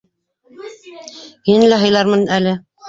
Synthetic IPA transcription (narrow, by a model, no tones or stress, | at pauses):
hinlæɦɤ̆jlˠɑɾmɤnælɘ